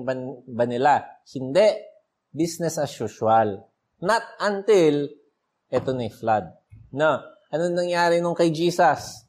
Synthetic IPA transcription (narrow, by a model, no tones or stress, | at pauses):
bɐnbɐnɪlahɪnd̪ɛʔ | bisnɛsɐʃʊʃʊal | nɐt̪̚ʔɐnt̪ɪl | ʔɛt̪onɐflad̪̚ | no | ʔɐnonɐŋjaːɾɪnʊŋkɐjd͡ʒiːsɐs